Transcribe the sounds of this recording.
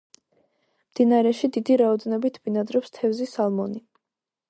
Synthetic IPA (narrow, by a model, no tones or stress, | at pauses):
md̪inaɾɛʃid̪id̪iɾaɔd̪ɛnɔbit̪ʰvinad̪ɾɔpst̪ʰɛvzisalˠmɔni